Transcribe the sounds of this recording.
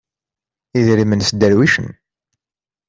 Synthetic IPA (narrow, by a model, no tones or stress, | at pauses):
iðɾimənsd̪ːæɾwiʃə̰n